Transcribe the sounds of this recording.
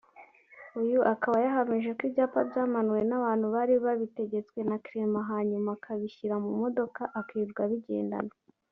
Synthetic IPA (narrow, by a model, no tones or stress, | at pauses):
ujuʔakaβajaɦamiʒe̞kibɟaːpabɟaːmanuwe̞naβaːn̥huβaɾiβaβite̞ɟe̞t͡swe̞nakiɾe̞maɦaːɲumakʰaβiçiɾamumo̞do̞kaʔakiːbɡaβiɟe̞̰ːnda̰no